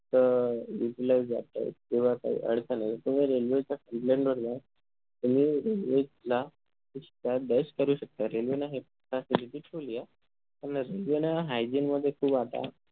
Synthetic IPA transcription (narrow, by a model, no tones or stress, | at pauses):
t̪əɾjuʈilajzd͡za̰t̪a̰k̪eʋ̤aka̰ɦḭːʔə̰ɽsanajt̪ət̪um̤iɾelʋet͡ɕakəmplẽɳɖʋəɾma | t̪um̤iːɾelʋed͡ʑla | iɕi̥t̪ad̪əskəɾuːɕək̚t̪aɾelʋenaɦe | pasiliʈ̪iːʈʰolia | k̪aɾənɾelʋenaɦajd͡ʑinməd̪ʱːjekʰuːbat̪a̰